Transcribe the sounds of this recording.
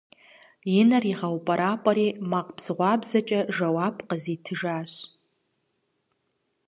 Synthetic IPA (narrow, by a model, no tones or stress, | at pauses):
jinariʁawpʼaɾʔapʼaɾimaqʼpʰz̥ʁʷabzat͡ʃʼɐʒawapʼqʼəzitʰɨʒaʃ